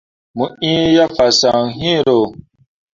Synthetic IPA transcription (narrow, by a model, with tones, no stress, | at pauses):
mũ˨ĩ˦ja˦fa˨sa˨ŋ˨ɦĩ˦˨ɾo˨